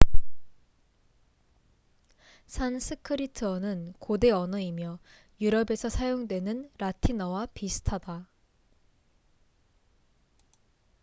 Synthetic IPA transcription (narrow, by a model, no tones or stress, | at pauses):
sʰansʰɯkʰɯɾitʰɯʌnɯnkode̞ʌnʌimjʌ | juɾʌbe̞sʰʌsʰajoŋdwe̞nɯnɾatʰinʌwapisʰɯ̥tʰada